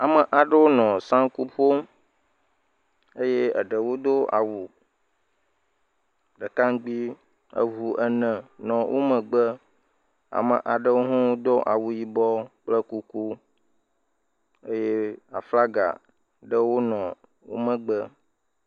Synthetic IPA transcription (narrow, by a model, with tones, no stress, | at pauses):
a˨mə˨ʔa˨ɖə˦wo˦nɔ̃˨sã˦ŋku˦ɸo˦ | e˦je˦ə̰˨ɖə˨wo˦d̪o˦a̰˨wu˨ | ɖə˨ka˦ŋ˦ɡ͡bi˦ | ə̰˦vu˨ʔə˦nə̃˨nɔ̃˨wʔo̰˦mə̃˨ɡ͡bə˦ | a̰˨mə˨ʔa˨ɖə˦wo˦ɦũ˦wo˦d̪o˦ʔa˨wu˨ji˦bɔ˦k͡plə˦ku˦ku˦ | e˦je˦a˨fla˦ɡa̰˨ | ɖə˦wo˦nɔ̃˨ | wo̰˦mə̃˦˨ɡ͡bə˦